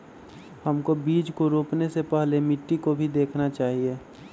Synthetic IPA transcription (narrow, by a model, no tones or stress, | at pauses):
həmkobiːd͡ʒkoɾoːpnesepɛɦlemɪʈːikobʱid̪eːkʰnat͡ʃaːɦieː